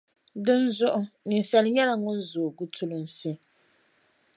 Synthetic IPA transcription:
dɨ˦n̩˦zʊ˦ʔʊ˦ni˨n̩˨sa˨li˨˦ɲa˦la˨ŋo˦n̩˦zo˨ɡu˦tʰu˦lo˨n̩˨si˦

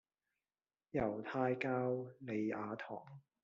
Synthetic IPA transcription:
jɐ˨˩wt̪ʰaː˧jkaː˥wle˨jaː˨˧t̪ʰɔ̰ː˨˩ŋ

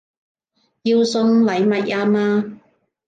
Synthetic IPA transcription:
ji˧wsʊ˧ŋlɐ˨jmɐ˨t̚ʔaː˧maː˧

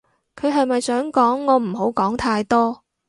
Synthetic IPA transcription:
kʰɵ˨˧ɥɦɐ˨jmɐ˨jsœː˨˥ŋkɔː˨˥ŋːɔː˨˧m̩˨˩ɦo˨˥wkɔː˨˥ŋt̪ʰaː˧jt̪ɔː˥

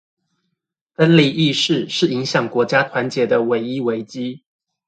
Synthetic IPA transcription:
fə˥nli˨˩ʔi˥˧ʂɻ̩˥˧ʂɻ̩˥˩i˧˥ŋɕjɑ˨˩ŋkwɔ˧˥t͡ɕja˥t̪ʰwa˧˦nt͡ɕjɛ˨˩d̪ə˧we˨˧˥ɪi˥we˧˥ɪt͡ɕi˥

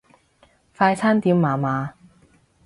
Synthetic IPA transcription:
faː˧jt͡sʰaː˥nt̪iː˨˥mːaː˨˧maː˨˧

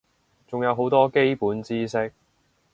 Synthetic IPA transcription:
t͡sʊ˨ŋjɐ˨˧wɦo˨˥wt̪ɔː˥ke˥jpuː˨˥nt͡siː˥sɪ˥k̚

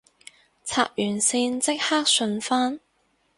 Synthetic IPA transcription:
t͡sʰa̰ː˧˨p̚jyː˨˩nsiː˧nt͡sɪ˥k̚haː˥k̚sɵ˧nfaː˥n

